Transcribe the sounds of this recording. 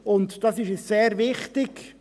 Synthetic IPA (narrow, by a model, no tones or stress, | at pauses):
ʊntd̥ɑsɪʃɛsseːɾʋɪχtɪk